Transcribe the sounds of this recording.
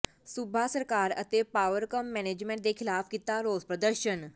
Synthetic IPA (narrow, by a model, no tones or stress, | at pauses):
subʱasəɾkaɾə̰t̪epaʋəɾkəmːɛned͡ʑmẽɳʈ̚d̪ekʰilafkit̪aɾod͡zpɾəd̪əɾɕən